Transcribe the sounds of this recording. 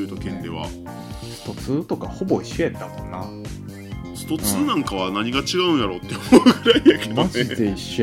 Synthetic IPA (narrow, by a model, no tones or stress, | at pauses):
ɯ̟ːt̪okẽ̞nd̪e̞βa̰ | ɕi̥t̪o̞t͡sɨːt̪o̞kaho̞bo̞iɕoet̪ːamõ̞nːa | si̥t̪o̞t͡sɨːnãŋkaβanaɲ̟iɡat͡ɕiɡaɯ̃njaɾo̞ːt̪ːeomoɯɡɯɾaiakmaʑit̪eiɕː